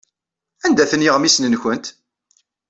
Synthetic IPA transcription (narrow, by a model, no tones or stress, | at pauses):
ænd̪æθənːiʁmisnənçənt̪